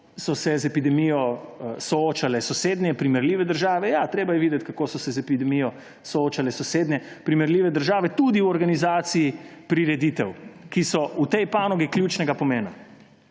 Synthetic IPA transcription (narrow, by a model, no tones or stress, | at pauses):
sɔsɛzɛpid̪ɛmijɔsɔoːt͡ʃalɛsɔseːd̪nʲɛpɾimɛɾliːʋɛd̪əɾʒaːʋɛjat̪ɾeːbajɛʋiːd̪ɛt̪ʲkakoːsɔsɛzɛpid̪ɛmijɔ | sɔoːt͡ʃalɛsɔseːd̪nʲɛpɾimɛɾliːʋɛd̪əɾʒaːʋɛt̪ud̪iwɔɾɡanizaːt̪siipɾiɾɛd̪it̪ɛwkisɔut̪ɛjpaːnɔɡikljuːt͡ʃnɛɡapɔmeːna